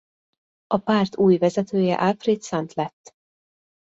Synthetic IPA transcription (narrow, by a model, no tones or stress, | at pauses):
ɒpaːrt̪ʰuːjvɛzɛt̪øːjɛ̰ʔalfrit̪sɒnt̪lɛt̪ː